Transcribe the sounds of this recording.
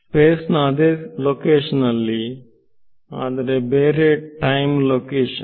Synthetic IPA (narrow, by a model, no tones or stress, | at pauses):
speːsnaːd̪eːlokeːʃɐnɐlːi | aːd̪ɐɾebeːɾeʈɐjmlokeːʃɐ